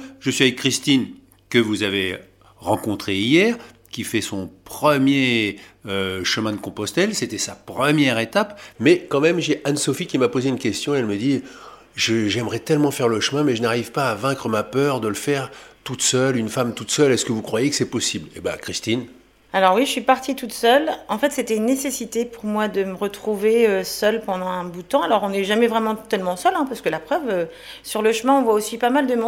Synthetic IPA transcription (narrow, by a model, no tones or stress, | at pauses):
ʒəsɥiavɛkːχist̪in | kəvuzave | ʁɑ̃kɔ̃t̪χeijɛʁ | kʲifɛsɔ̃pχəmjeøʃəmɛ̃d̪əkɔ̃pɔst̪ɛlset̪ɛsapχəmjɛʁet̪apmɛkɑ̃mɛmʒeʔansɔfikʲimapozeynkʲɛst̪jɔ̃ɛlməd̪i | ʒəʒɛmʁɛt̪ɛlmɑ̃fɛʁləʃəmɛ̃mɛʒənaʁivpaːvɛ̃kχəmapœʁd̪ələfɛʁt̪ut̪sœlynfamt̪ut̪sœlɛskəvukχwajekə̥sɛpɔsibleba̰kχist̪in | alɔʁwiʒəsɥipaʁt̪it̪ut̪sœlɑ̃fɛt̪set̪ɛynːesesit̪epuʁmwad̪əməʁət̪χuveøsœlpɑ̃d̪ɑ̃ɛ̃but̪ɑ̃alɔʁɔ̃nɛʒamɛvʁɛmɑ̃t̪ɛlmɑ̃sœlɛ̃paʁsə̥kəlapχœvø | syʁləʃəmɛ̃ɔ̃vwaosipamald̪əmɔ̃